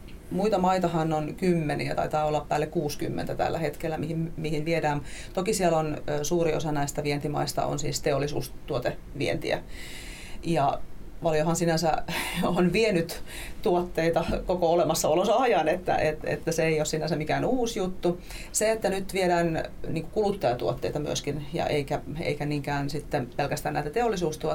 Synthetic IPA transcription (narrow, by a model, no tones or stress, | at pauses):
muit̪ɑmɑit̪ɑhɑnonkymːenḭæt̪ɑ̰it̪ɑːolːɑppæːlːekkuːsky̰mːḛnt̪æt̪æ̰lːæ̰het̪kelːæmihimmihinʋieɾæːmt̪okisielonsuːɾio̰sɑnæist̪æʋient̪imɑ̰ist̪ɑ̰o̰nsḭːst̪eolːisṵːst̪uot̪e | ʋiḛnt̪ḭæ̰ | jɑ | ʋɑljohɑnsinænsæonʋienyt̪t̪uot̪ːeit̪ɑkokoolemɑsːɑolosɑjɑnet̪ːæ̰ʔet̪ḛt̪ːæseeiossinæsæmikæːnuːsjut̪ːu | seet̪ːænyt̪ʋieɾæːnniːkukulut̪ːɑjɑt̪uot̪ːḛit̪ɑmyøskinjɑ̰ʔeikæḛikæniŋkæːnsit̪ːepelkæst̪ænæit̪æt̪eolːisuːst̪uo